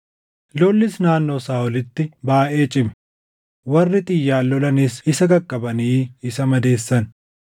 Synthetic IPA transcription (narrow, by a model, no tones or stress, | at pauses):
lolːɪsnaːnːoːsaːɔlɪt̪ːɪbaːʔeːt͡ʃʼɪmɛ̥ | wɐrːɪt̪ʼɪjːaːlːɔlɐnisɪsɐɡɐkʼːɐbɐniːɪsɐmɐd̪e̞ːsːɐn